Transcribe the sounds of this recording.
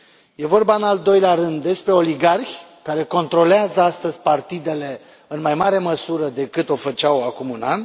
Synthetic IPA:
je̞vo̞rbaɨnald̪o̞jleaɾɨnd̪ːe̞spɾe̞o̞liɡarçʲkaɾe̞ko̞nt̪ɾo̞leazəast̪əzʲpart̪id̪e̞le̞ | ɨnmajmaɾe̞məsuɾəd̪e̞kɨt̪o̞fət͡ʃawakumunan

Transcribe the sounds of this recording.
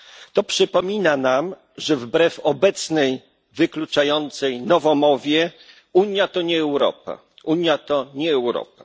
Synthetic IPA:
t̪ɔpʂɘpɔmʲinanam | ʐɛvbɾɛfɔbɛt̪snɛj | vɘklut͡ʂajɔnt̪sɛjnɔvɔmɔvʲjɛ | uɲjat̪ɔɲɛːwɾɔ̰pa̰ | uɲjat̪ɔɲɛːwɾɔ̰p̚a

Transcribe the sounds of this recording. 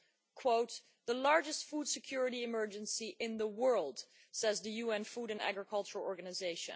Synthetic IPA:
kʰw̥oʊt̚ | ðəlɑɹd͡ʒɨstfud̥sɨkʰj̥ʊɹɨɾiɨmɜ˞d͡ʒɨ̃nsiʔɪ̃nðəwɜ˞lˠd̥ | sɛzðɨjuɛ̃nfuɾɨ̃næ̰ɡɹəkʰʌlˠt͡ʃəɹəl̩ˠɔɹɡɨnɨzeɪʃɨ̰̃n

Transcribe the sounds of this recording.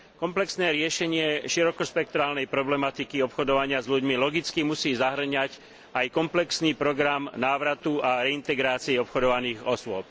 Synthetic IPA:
kɔmplɛksnɛːɾɪɛʃɛɲɪɛʃiɾɔkɔʃpɛk̚t̪ɾaːlnɛjpɾɔblɛmat̪ikiɔpxɔd̪ɔʋaɲɪazʎuɟmilɔɡit͡skimusiːzaɦr̩ɲac | ajkɔmplɛksniːpɾɔɡɾamnaːʋɾat̪uaɾɛint̪ɛɡɾaːt͡siɛɔpxɔd̪ɔʋaniːɣɔsʊɔp

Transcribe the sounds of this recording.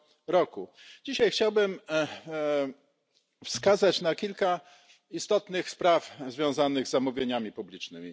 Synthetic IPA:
ɾɔku | d͡ʑiɕajxt͡ɕawbɘm | fskazat͡ɕnakʲilka | ist̪ɔt̪nɘxspɾafzvʲjɔ̃w̃zanɘɣzːamuvʲjeɲamʲipublʲit͡ʂnɘmʲi

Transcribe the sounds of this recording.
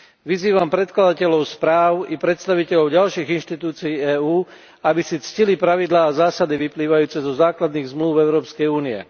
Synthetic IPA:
ʋiziːʋampɾɛt̪̚klad̪acɛʎɔʊspɾaːʊipɾɛt̪st̪aʋicɛʎɔʊɟalʃiːɣinʃt̪it̪uːt͡sijiːɛːuː | abisit͡scilipɾaʋid̪laːzaːsad̪iʋipliːʋajuːt͡sɛzɔzaːklad̪niːɣzmluʊɛʊɾɔːpskɛjuːniɛ̰

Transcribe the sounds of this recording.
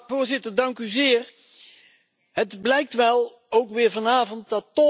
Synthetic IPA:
vʊːɹzɪtəɹdɑŋkyzɪːr | ɦədblɛjk̚tʋɛlˠ | owkʋɪːɹvɑnaːvɔnt̚dɑtːɔ

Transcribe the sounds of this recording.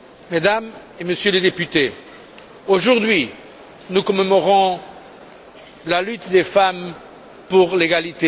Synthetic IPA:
med̪am | eməsjøled̪epyt̪e | oʒuʁd̪ɥi | nukɔmemɔʁɔ̃ | lalyt̪d̪efam | puʁleɡalit̪e

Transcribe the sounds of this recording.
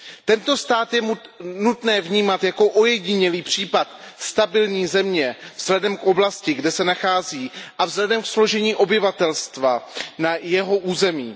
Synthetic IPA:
t̪ɛnt̪o̞st̪aːt̪jɛnut̪nɛːvɲiːmat̪jako̞ʔojɛɟɪɲɛliːpr̝̥iːpat̪ | st̪abɪlɲiːzɛmɲɛvz̥lɛdɛmkʔo̞blascɪɡdɛsɛnaxaːziːʔavzlɛdɛmkslo̞ʒɛɲiːʔo̞bɪvat̪ɛlst̪vanajɛɦo̞ʔuːzɛmiː

